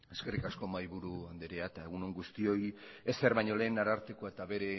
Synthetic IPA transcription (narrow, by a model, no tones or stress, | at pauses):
e̞ske̞rikasko̞majβuɾuand̪eɾeat̪ae̞ɣuno̞ŋɡust̪io̞jese̞ɾβajɲo̞le̞ːnaɾaɾt̪eko̞et̪aβe̞ɾe̞